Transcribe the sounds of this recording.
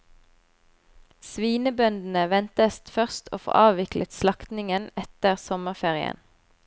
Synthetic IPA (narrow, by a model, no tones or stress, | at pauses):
sʋiːnəbœnd̪n̩əʋɛnt̪əst̪fœʁst̪ʰo̰ːfo̰ːʔɑːʋʋɪklət̪slɑkt̪nɪŋənɛt̪əʁsɔməʁfeːʁɪə̰n